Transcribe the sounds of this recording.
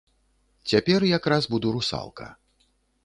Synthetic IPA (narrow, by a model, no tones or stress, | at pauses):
t͡sʲapʲɛrjakɾazbud̪uɾusa̰lˠkɐ̰